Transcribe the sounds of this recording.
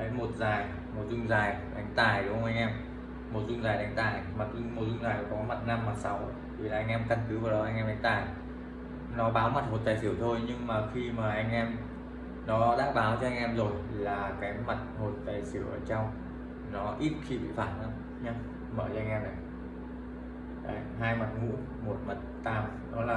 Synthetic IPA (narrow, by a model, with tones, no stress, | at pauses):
ə˨˦jmo˨˩t̚zaː˨˩j | mo˨˩t̚zʊ˧ŋ͡mzaː˨˩jɗa˨˦jŋ̟t̪aː˨˩jɗə˨˦˧wʔa˧jŋ̟ʔɛ˧m | mo˨˩t̚zʊ˧ŋ͡mzaː˨˩jɗa˨˦ŋ̟t̪aː˨˩jmaː˨˩˧mo˨˩t̚zʊ˧ŋ͡mzaː˨˩jɔ˨˩kɔ˨˦ma˨˩t̚na˧mːa˨˩t̚sa˨˦w | t̪ʰi˨˩˨laː˨˩ʔa˧ŋ̟ʔɛ˧mka˧nkɨ˨˦vaː˨˩wɗɔ˨˦ʔa˧jŋʔɛː˧mɗa˨˦ŋ̟t̪aː˨˩j | nɔ˨˦ɓaː˨˦wma˨˩t̚mo˨˩t̪aː˨˩jsɨ˧˩əwt̪ʰo˧jɲɨ˧ŋmaː˨˩xi˧maː˨˩ʔa˧jŋ̟ʔɛ˧m | nɔ˨˦ɗa̰ː˧˥ɓaː˨˦wt͡ɕɔ˧ʔa˧jŋ̟ʔɛ˧mzo˨˩jlaː˨˩kaː˨˦jma˨˩t̚ho˨˩jt̪a̰ː˨˩jsɨ˧˩əʔəː˧˩t͡ɕɔ˧wŋ͡m | nɔ˨˦ʔi˦˥t̚xi˧ɓḭ˧˨faː˧˩nʔa̰ː˧˥m | ɲa˧ | məː˧˩t͡ɕʔjŋ̟ʔɛ˧mna˨˩j | a̰ː˧˩ɦaː˧jma˨˩t̚ŋṵ˧˥n | mo˨˩t̚ma˨˩t̚t̪aː˧˩m | nɔ˨˦laː˨˩